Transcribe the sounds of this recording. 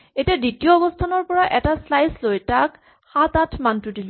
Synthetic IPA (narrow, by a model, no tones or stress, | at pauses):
etiaditijɔːbɔstʰanɔɹpɔɹaʔɛtaslajslojtak | xatatʰmantʊdil